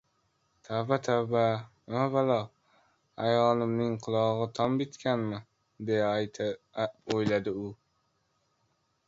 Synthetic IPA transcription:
t̪ʰabat̪ʰaba | avalɒ | ajɒlɪmnɪŋqʰʊlˠɒʁɨt̪ʰɒmbɪt̪kʲʰanmɪ | d̪ej | ojlad̪ɪʊ

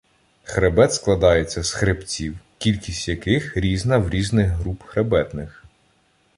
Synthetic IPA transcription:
xɾebɛt̪sklˠɐd̪ɑjet͡sʲːɐsxɾept͡sʲiwkʲilʲkʲisʲtʲjɐkɪxɾʲiznɐwɾʲiznɪɣɦɾupxɾebɛt̪nɪx

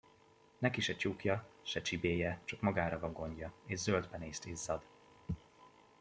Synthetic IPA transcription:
nɛkiʃɛt͡ʃukjɒʃɛt͡ʃibeːjɛt͡ʃɒkmɒɡaːɾɒvɒŋɡo̞ɲɟɒeːʒzøld̪bɛneːst̪eːzːɒd̪

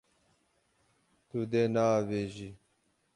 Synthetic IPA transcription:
t̪ud̪eːnaːʋeːʑi

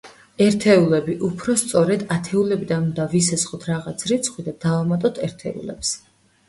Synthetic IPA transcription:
ɛɾt̪ʰɛulɛbiʔupʰɾɔst̪sʼɔɾɛd̪at̪ʰɛulɛbid̪anund̪avisɛsχɔt̪ʰɾaʁat̪sʰɾit̪sʰχwid̪ad̪̥avamat̪ʼɔt̪ʰɛɾt̪ʰɛṵlɛ̰ps

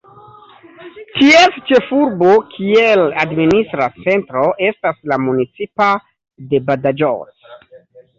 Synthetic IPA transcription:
tiest͡ʃe̞fuɾbo̞kʰieladministɾat͡se̞ntɾo̞ʔe̞staslamunit͡sipa | de̞badad͡ʒo̰s

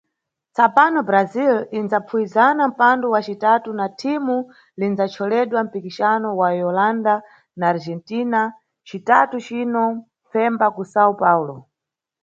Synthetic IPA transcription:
t͡sapanɔbɾazilinzapʰuizanam̩pandɔwat͡ʃitatunatʰimu | linzat͡ʃʰɔlɛɗwam̩pikiʃanɔwajɔlanda | naːɾd͡ʒɛntina | t͡ʃitatut͡ʃinɔ | fɛmbakusaupaːulɔ

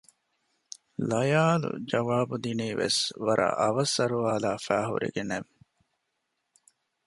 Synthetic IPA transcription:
lɐjaːlṵd͡ʒɐʋaːbud̪iniːʋḛsʋɐɾʔɐ̰ʔɐʋɐsɐɾuaːlaːfæːɦṵɾḛɡeneʋ

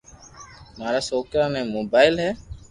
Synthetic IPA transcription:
maːɾaːsoːkɾãːnɛ̃ːmoːbaːɪlɦɛː

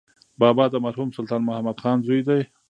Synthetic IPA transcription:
bɑːbɑd̪əmaɾhumsʊlt̪ɑːnmʊhamad̪xɑːnzujd̪aj

